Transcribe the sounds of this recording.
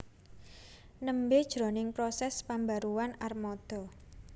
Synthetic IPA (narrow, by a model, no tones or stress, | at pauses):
nəmbed̥ʒ̥ɾɔ̤nɪŋpɾɔsɛspambaɾuwanarmɔd̪̥ɔ̤